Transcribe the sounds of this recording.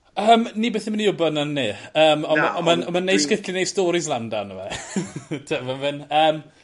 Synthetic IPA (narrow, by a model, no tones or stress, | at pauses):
əːmnibɛθəmaniʊbɔnənːeəːmɔɔmaɔmanejskɪɬinejstɔːɾɪslˠandanəva̰ | tʰəvənvɨnəːm